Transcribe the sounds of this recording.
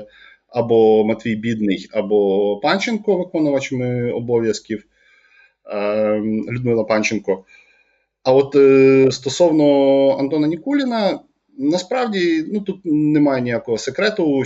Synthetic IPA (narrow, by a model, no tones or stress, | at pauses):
ɐbɔmɐt̪ʲʋʲijbʲid̪nɪjɐbɔpɑnʲt͡ʃenkɔʋɪkɔnɐʋɐt͡ʃɪmɪɔbɔʋʲjɐskʲiw | lʲʊd̪̚mɪlˠɐpɑnʲt͡ʃenkɔ | ɐɔt̪st̪ɔsɔwnɔɐ̰nt̪ɔnɐnʲikulʲinɐ | nɐspɾɑwdʲinut̪ut̪̚nemɑjɛnʲijakɔɦɔsekɾɛt̪ʊ